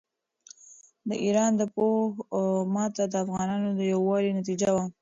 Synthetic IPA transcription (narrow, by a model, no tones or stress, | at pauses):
d̪əʔiɾɑnd̪əpohmɑt̪ad̪əafɣɑnɑnod̪əjawɑlinat̪̬id͡ʒawa